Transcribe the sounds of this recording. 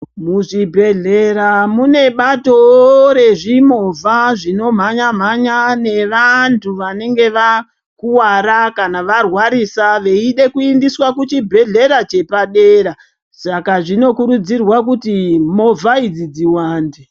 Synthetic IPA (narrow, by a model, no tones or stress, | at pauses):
muʐibʱe̞ɮe̞ɾamune̞ɓato̞ɾe̞ʐimo̞vʱaʐino̞m̤aɲam̤aɲane̞ʋantʰuʋane̞ŋɡe̞ʋa | kuwaɾakanaʋarwaɾisaʋe̞iɗe̞kuindiswakut͡ʃibʱe̞ɮe̞ɾat͡ʃe̞paɗe̞ːɾa | sakaʐino̞kuɾud͡zirwak̬utimo̞vʱaid͡zid͡ziwaːnde